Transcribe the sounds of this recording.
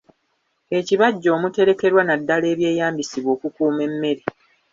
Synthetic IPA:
e̞ciβaɟːo̞ːmute̞ɾe̞ke̞ɾwanadːale̞ːβje̞ːjaːmbisiβwoːkukuːme̞mːe̞ɾe

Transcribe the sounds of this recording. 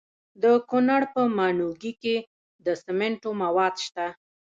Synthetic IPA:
d̪əkonaɽpəmɑnuɡike | d̪əsɪmeɳʈomawɑd̪ʃt̪a

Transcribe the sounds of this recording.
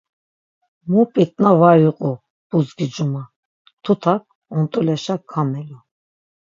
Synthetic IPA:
mupʼit̪ʼnavajuqʼu | b̥uzɡid͡ʒuma | t̪ʰut̪ʰak̚ | ɔnt̪ʼulɛʃakʰːamɛlu

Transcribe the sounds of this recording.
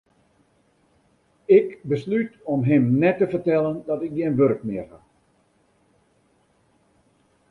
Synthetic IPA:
ɪkbəslytɔmɦɪmnɛtːəfərtɛləndɔtɪk̚ɡiənʋøɾkmɪərha

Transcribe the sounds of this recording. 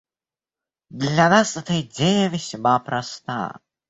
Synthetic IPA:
d̪lʲanasɛt̪əid͡zʲejəvʲɪsʲmapɾɐst̪a̰jə̰

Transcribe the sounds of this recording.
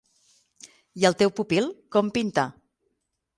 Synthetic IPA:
jəlˠt̪ewpupilˠkɔmpint̪a

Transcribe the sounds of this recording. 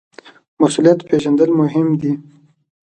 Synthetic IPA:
masulijat̪pʰeʒand̪əlmʊɦɪmd̪i

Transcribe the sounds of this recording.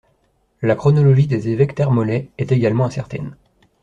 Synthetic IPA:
lakχɔnɔlɔʒid̪ezevɛkt̪ɛʁmɔlɛɛt̪eɡalmɑ̃ɛ̃sɛʁt̪ɛ̰n

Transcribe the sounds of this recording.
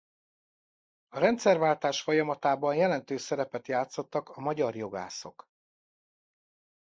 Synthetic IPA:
ɒɾɛnt̪sɛrvaːlt̪aːʃfo̞jɒmɒt̪aːbɒnjɛlɛnt̪øːsɛɾɛpɛt̪jaːt̪so̞t̪ːɒkɒmɒɟɒrjo̞ɡa̰ːso̞̰k

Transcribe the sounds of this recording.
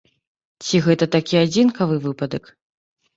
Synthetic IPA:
t͡sʲiɣɛt̪ɐt̪akʲiad͡zʲinkɐvɨvɨpɐd̪ɐk

